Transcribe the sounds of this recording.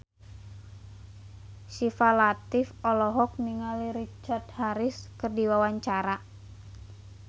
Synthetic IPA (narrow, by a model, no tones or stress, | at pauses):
ʃifalat̪ɪfɔlɔɦɔk̚niŋaliɾit͡ʃart̪haɾɪskɨrdiwawaɲt͡ʃaɾa